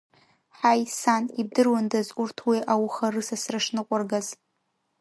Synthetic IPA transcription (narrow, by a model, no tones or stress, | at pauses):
ħajsanib̚dɨrwandazkʷʼʊrtʰwiʔawχarɨsasraʂnɨqʷʼarɡaz